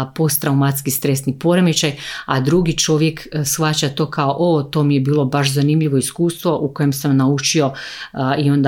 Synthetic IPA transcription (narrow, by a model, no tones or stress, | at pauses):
po̞st̪ɾaumat̪skist̪ɾe̞snipo̞ɾe̞mit͡ɕajad̪ɾuɡit͡ʃo̞ʋje̞ksxʋat͡ɕat̪o̞kaoʔot̪o̞mijebiːlˠo̞baʃzanimʎiʋo̞iskuːst̪ʋo̞ʔuko̞je̞msamnaut͡ʃio̞io̞nd̪a